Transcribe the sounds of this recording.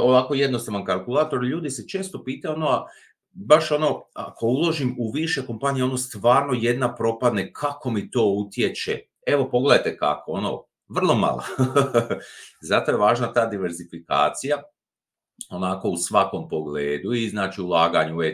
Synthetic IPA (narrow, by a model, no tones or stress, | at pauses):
oʋako̞je̞d̪no̞st̪aʋankalˠkulˠaːt̪o̞ɾʎuːd̪iset͡ʃe̞ːst̪o̞piːt̪auonoa | baʃo̞no̞a̰kʰo̞ulˠo̞ʒimuʋiʃe̞ko̞mpaːnijeo̞nost̪ʋaːɾno̞je̞d̪napɾo̞pad̪nekʰako̞mit̪o̞ːut̪je̞t͡ʃḛ | e̞ʋo̞po̞ɡle̞d̪ajt̪e̞ka̰koono̰ | ʋr̩lˠo̞ma̰lˠa̰ | zat̪o̞jeʋaːʒnat̪aːd̪iʋeɾzifika̰ːt̪sija | o̞nako̞usʋako̞mpo̞ɡleːd̪uiznaːt͡ʃiulaːɡaɲue